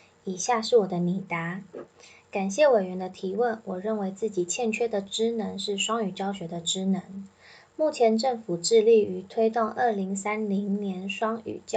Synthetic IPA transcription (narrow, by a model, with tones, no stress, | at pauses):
i˨˩ɕja˥˧ʂɻ̩˥˩wɔ˨˩d̪ə˦ni˨˩t̪a˧˥ | ka˨˩nɕjɛ˥˩we˨˩ɪɥɛ˧˦˥nd̪ə˧t̪ʰi˧˥wə˥˩nwɔ˨˩ɻə˥˩nwe˧˥ɪt͡sɹ̩˥˩t͡ɕi˨˩t͡ɕʰjɛ˥˩nt͡ɕʰɥɛ˥d̪ə˨ʈ͡ʂɻ̩˥nə˧˥ŋʂɻ̩˥˩ʂwɑ˥ŋy˨˩t͡ɕjɑ˥ʊɕɥɛ˧˥d̪ə˧ʈ͡ʂɻ̩˥nə˧˥ŋ | mu˥˩t͡ɕʰjɛ˧˥nʈ͡ʂɤ˥˩ŋfu˨˩ʈ͡ʂɻ̩˥˧li˥˩y˧˥t̪ʰwe˥ɪt̪o˥˧ŋʔə˥˩li˧˥ŋsa˥nli˧˥ŋnjɛ˧˥nʂwɑ˥ŋy̰˨˩t͡ɕ